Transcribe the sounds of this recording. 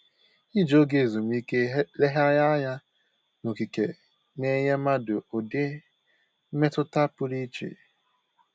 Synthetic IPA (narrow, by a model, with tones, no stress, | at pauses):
i˦d͡ʒo˦ɡe˨zo˨m˦i˦ke˦le˦ɦa˦ja˦ja˦ | no˨ki˨ke˨ | ne˦ɲe˦ma˦do˨o˨de˦ | me˦tʊ˦ta˦pʊ˦ɾi˦t͡ʃḛ˨